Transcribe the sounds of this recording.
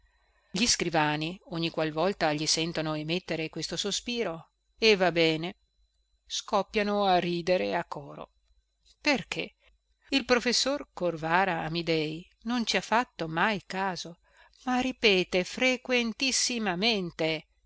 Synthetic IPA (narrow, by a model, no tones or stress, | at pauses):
ʎiskɾivaːnioɲːikwalvɔlt̪aʎisɛnt̪onoemet̪ːeɾekwest̪osospiːɾo | evabɛːne | skɔpːjanoariːd̪eɾeakːɔːɾo̰ | perkʰḛ | ilpɾofesːorkorvaːɾa̰ːmid̪ɛj | nont͡ʃiafːat̪ːomajkaːzo | maripɛːt̪efɾekwent̪isːimament̪e